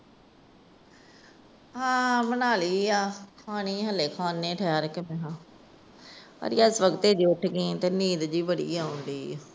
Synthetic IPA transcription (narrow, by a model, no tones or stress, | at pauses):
ɦãːmənaːliːaːkʰaːñiːɦəleːkʰaːnːẽːʈʰɛaɾkemɛ̃ːɦãː | pə̰ɾjaːɪsʋəɡt̪eːd͡ʒiːʊʈʰɡĩːt̪eːniːd̪d͡ʒiːbəɽḭːaːɦʊ̃nd̪iː